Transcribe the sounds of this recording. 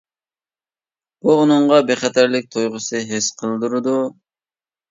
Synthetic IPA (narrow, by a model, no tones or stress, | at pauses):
b̥uʁʊnʊɴʁɑbeχɛt̪ʰæɾlɪk̚ʲt̪ʰojʁəsɨɦesqʰəlˠd̪uɾɨd̪u